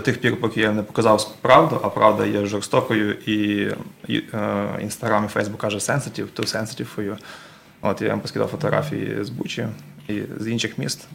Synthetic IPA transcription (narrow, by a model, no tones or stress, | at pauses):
t̪ɪxpʲiɾpɔkʲijnɛpɔ̥kɐzɑwsʲpɾɑwd̪ʊʔɐpɾʔɑwd̪ɐ̰jɛʒɔrst̪ɔkɔjʊʔḭ | ḭnst̪ɐɦɾɑmifɛ̰jzbukːɑʒɛsɛnsɐtʲiwt̪ʊsɛnsɐ̥tʲiwkɔju | o̰t̪ja̰jḭmpɔskʲid̪a̰wfɔt̪ɔɦɾɑ̰fʲijḭzbut͡ʃʲiḭzinʃɪxmʲist̪